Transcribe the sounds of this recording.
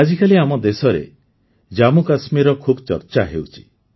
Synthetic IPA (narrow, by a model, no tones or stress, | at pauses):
ad͡ʒikaliamɔd̪esɔɾḛ | d͡ʒamukasmiɾɔkʰubɔt͡ʃɔ̰ɾt͡ʃaɦewt͡ʃʰi̥